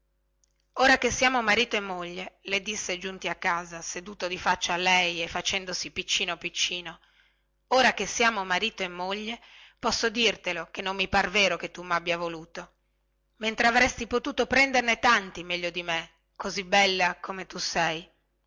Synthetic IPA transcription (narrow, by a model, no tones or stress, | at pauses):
oːɾakesːjaːmomaɾiːt̪oemːoʎːeled̪isːed͡ʒunt̪iakːaːzased̪uːt̪od̪ifat͡ʃːaːlɛjefːat͡ʃɛnd̪osipit͡ʃːiːnopit͡ʃːiːno | oːɾakesjaːmomaɾiːt̪oemːoʎːepɔsːod̪irt̪elokenːomːipaɾveːɾoket̪ːumabjavoluːt̪o | ment̪ɾeavɾɛst̪ipot̪uːt̪opɾɛnd̪ernet̪ant̪imɛʎːod̪ime | kozibːɛlːakomet̪usɛj